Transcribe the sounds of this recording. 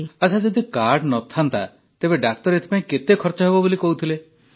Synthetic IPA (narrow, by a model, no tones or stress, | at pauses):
at͡ʃʰad͡ʒed̪ikaɾɖnɔt̪ʰant̪a̰ | t̪ebeɖak̚t̪ɔɾet̪ʰipaĩket̪ekʰɔɾt͡ʃɔɦebɔbolikɔɦut̪ʰile